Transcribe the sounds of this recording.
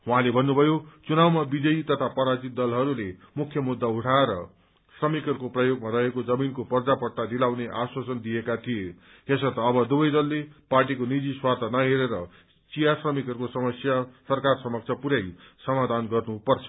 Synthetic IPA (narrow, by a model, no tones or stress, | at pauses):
ɦwɦãlebʱʌnːubʱʌjot͡sunawmabid͡zʌit̪ʌt̪ʰapʌɾat͡sit̪̚d̪ʌlɦʌɾulemukʰːjʌmud̪ːauʈʰaeɾʌ̰ | srʌmikʌrkoprʌjoɡ̚maɾʌɦekod͡zʌminkopʌrd͡zapʌʈːad̪ilawneʔaswasʌnd̪ijekat̪ʰije | esʌt̪ʌːbʌd̪ubʌjd̪ʌlːeparʈikonid͡ziswat̪ʰanʌɦeɾeɾʌ | t͡sijasrʌmikʌɾkosʌmʌsjasʌrkarsʌmʌk̚t͡sʰʌpuɾajsʌmad̪ʱanɡʌrnupʌrt͡sʰʌ̥